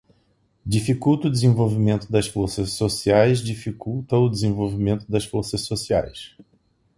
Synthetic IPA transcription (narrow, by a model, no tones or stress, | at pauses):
d͡ʒifikuwt̪ɐʊd̪ɪzẽvowvimẽnt̪ʊd̪ɐsfoɾsɐssosiajzd͡ʒifikuwt̪ɐʊd͡ʒɪzẽvowvimẽnt̪ʊd̪ɐsfoɾsɐssosia̰js